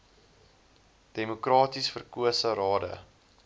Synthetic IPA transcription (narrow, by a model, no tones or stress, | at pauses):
d̥emukrɑːtisfərkuəsəɾɑːdə̰